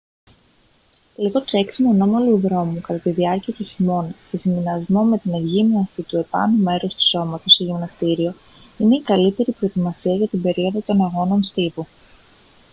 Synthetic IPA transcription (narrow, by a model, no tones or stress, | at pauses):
liɣo̞t̪ɾe̞ksimo̞no̞moluðɾo̞mukɐt̪ɐt̪iðiɐɾciɐt̪uçimo̞nse̞sindinɐzmo̞me̞t̪inevʝimiɐsit̪ue̞pɐ̰nume̞ɾo̞st̪u̥so̞mɐt̪o̞st̪eʝimnɐst̪iɾio̞ | ine̞ikɐlit̪e̞ɾipɾo̞et̪imɐsiɐʝɐt̪imbe̞ɾio̞ðot̪o̞nɐɣo̞no̞nst̪ipu